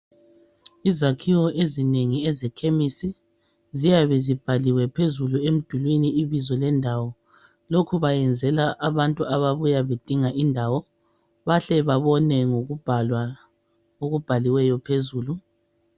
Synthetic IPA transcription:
izakʰiwɔʔezineŋiɛzɛkʰemisi | zijaβɛzib̥ʱaliwɛpʰezuluem̩d̥ʱulwiniiβizɔlɛndʱawɔ | lokʰuβajɛnd͡zʱɛlaʔaβantʼuʔaβaβujaβed̥ʱiŋaʔindʱawɔ | βaɬɛβaβɔnɛŋo̥la | oɣub̥ʱaliwɛjɔpʰezuːlu

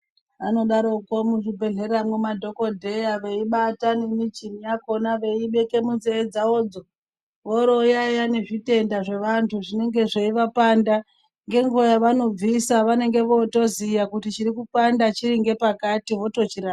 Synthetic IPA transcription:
ano̞ɗaɾo̞ko̞muʐibʱe̞ɮe̞ɾamwemadʱo̞ko̞dʱe̞jaʋe̞iɓatanenit͡ʃimijako̞naʋe̞iɓe̞kemunzeːd͡zaod͡zo̞ | ʋoɾo̞jajane̞ʐite̞ndaʐe̞ʋantʰuʐine̞ŋɡe̞ʐeiʋapanda | ŋɡe̞ŋɡojaʋano̞b͡visaʋane̞ŋɡe̞ʋo̞to̞zijakutit͡ʃiɾikupandat͡ʃiɾiŋɡe̞pakatiʋo̞to̞t͡ʃiɾa

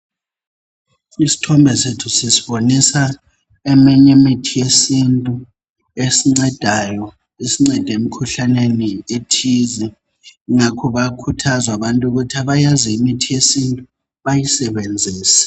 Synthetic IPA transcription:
isi̥tʰɔmbʱɛsetʰusisiɓonisa | ɛmɛɲemitʰijesintʼu | esiŋ͡ǀɛd̥ʱajɔ | isiŋ͡ǀɛd̥ʱem̩kʰuɬanenietʰizi | ŋakʰɔβakʰutʰazaβantʼuɣutʰiaβajaziimitʰijesintʼu | βajisɛɓend͡zʱiːsḁ

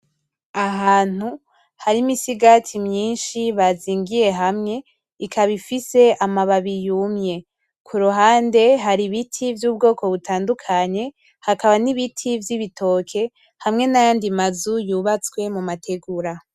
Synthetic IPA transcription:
aɦaːn̥hu | haɾimisiɡatʰimɲiːnʃiβaziːŋɡije̞ɦamŋe̞ | ikʰaβifise̞ʔamaβaβijuːmje̞ | kʰuɾuɦaːnde̞ɦaɾiβitʰivjuːb̚ɡo̞ːko̞βutʰaːndukʰaɲe̞ | hakaβaniβitʰivjiβitʰo̞ːkʰe̞ | hamŋe̞najaːndimazujuːβat͡swe̞mumatʰe̞ɡuɾa

